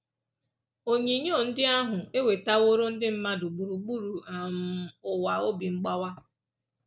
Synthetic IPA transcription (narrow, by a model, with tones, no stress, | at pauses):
o˨ɲe˨ɲ˦o˦˨n̩˦dɪ˦a˦ɦʊ˨e˦we˨ta˦wo˦ɾo˦n̩˦dɪ˦m̩˦ma˦dʊ˨ɡ͡bu˨ɾu˨ɡ͡bu˦ɾu˨a˨m̩˨ʊ˨wa˨o˦bi˨ŋ͡m̩˦ɡ͡ba˦wa˦